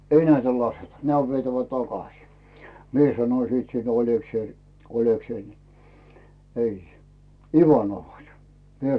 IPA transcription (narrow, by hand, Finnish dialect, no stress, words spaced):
ei næitæ lɑsetɑ næmæ oʋ ʋietæʋæ tɑkɑsiˑ mie sɑnoĭ siːt siːn olʲekseil olʲekseil ni ei iʋɑnoʋhɑ se o mie